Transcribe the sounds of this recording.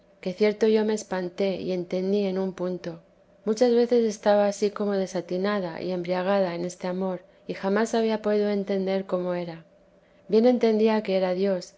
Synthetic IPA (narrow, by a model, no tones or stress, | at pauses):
ke̞θje̞ɾt̪o̞ʝo̞me̞ːspant̪e̞ḭe̞nt̪e̞nd̪ie̞numpunt̪o̞ | mut͡ʃazβe̞θe̞se̞st̪aβaːsiko̞mo̞ðe̞sat̪inaða̰ʔḭe̞mbɾiaɣ̞aðae̞ne̞st̪e̞amo̞ɾ | ixamasaβ̞iapo̞ðiðo̞e̞nt̪e̞nd̪e̞ɾko̞mo̞e̞ɾa | bje̞ne̞nt̪e̞nd̪iake̞e̞ɾaðjo̞s